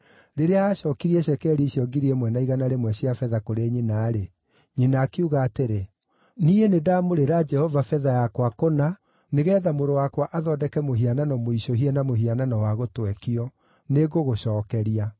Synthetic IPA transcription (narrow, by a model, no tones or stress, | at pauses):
ɾeɾeaːɕɔːkiɾiɛɕɛkɛːɾiɕiɔɡiɾiɛmwɛnaiɣanaɾemwɛɕiafɛðakoɾeɲinaːɾe | ɲinaːkeuɣaːteɾe | niːenedamoɾeɾad͡ʒɛhɔvafɛðajakwakona | neɣɛːðamoɾowakwaʔaðɔːdɛkɛmoɦiananɔmoiɕoɦiɛnamohiananɔwaɣotwɛkiɔ | neɣoɣoɕɔːkɛɾia